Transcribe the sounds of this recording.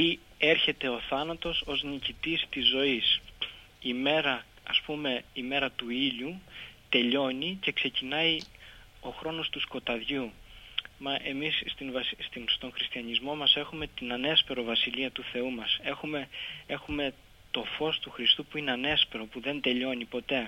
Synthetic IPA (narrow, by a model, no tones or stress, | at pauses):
i | e̞ɾçe̞t̪e̞o̞θɐnɐt̪o̞so̞znicit̪ist̪izːo̞is | ime̞ɾɐ | ɐspume̞ime̞ɾɐt̪uiʎut̪e̞ʎo̞ɲice̞kse̞cinɐi | o̞xɾo̞no̞st̪usko̞t̪ɐðʝu | mɐʔe̞misst̪invɐsst̪inst̪o̞ŋxɾist̪iɐɲizmo̞mɐse̞xume̞t̪inɐne̞spe̞ɾo̞vɐsiʎiɐt̪uθe̞umɐse̞xumee̞xume̞ | t̪o̞fo̞st̪uxɾist̪upuineɐne̞spe̞ɾo̞puðe̞nd̪e̞ʎo̞nipo̞t̪e̞